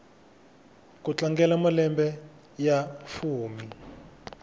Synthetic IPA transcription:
kut͡ɬaŋɡɛlamalɛmbɛ | jafuːmi

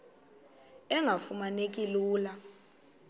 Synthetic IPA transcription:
ɛŋʱafumanek̬ʼiluːla

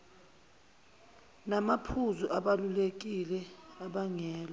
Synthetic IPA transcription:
namapʰuzuʔaɓalulek̬ilɛaɓaŋɛːlɔ

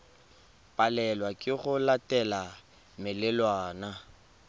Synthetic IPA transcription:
pʼalɛlwakʼɪχʊlatʼɛla | mɪlɪlwaːna

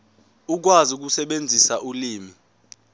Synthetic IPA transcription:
uk̬wazuk̬usɛɓend͡zʱisaʔuliːmi

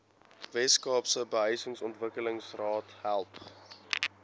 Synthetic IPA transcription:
vɛskɑːpsəbəɦəjsəŋsɔntvəkələŋsrɑːthælˠp

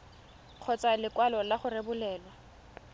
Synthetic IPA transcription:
q͡χʰɔt͡sʼalɪkwalɔlaχʊrebʊlɛːlwa

